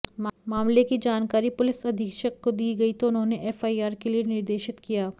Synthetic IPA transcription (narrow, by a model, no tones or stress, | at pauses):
mmaːmlekid͡ʒaːnkaːɾipʊlɪsɐd̪ʱɪkʃəkːod̪iːɡɐit̪oʊnɦõːneʔɛːfaːiaːɾkelienɪɾd̪eːʃɪt̪kijaː